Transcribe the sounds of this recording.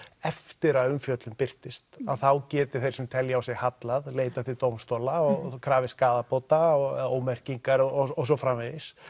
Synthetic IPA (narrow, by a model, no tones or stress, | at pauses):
ɛft̪ɪɾaðʏmfjœt̪lʏmpɪr̥t̪ɪst̪a̰ðθawcɛːt̪ɪ̥ɾ̥θejɾ̥sɛmt̪ʰɛljaawsɪɣhat̪laðleːjt̪at̪ʰɪlt̪oːwmst̪oːlaɔkʰɾaːvɪskaːðapoːwt̪aɔoːwmɛr̥ciŋkaɾɔɔsɔfɾamvɛðɪs